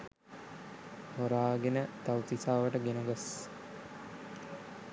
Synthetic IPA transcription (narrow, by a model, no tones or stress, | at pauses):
h̪oɾaːɡenət̪awt̪isaːʋəʈəɡenuɡəs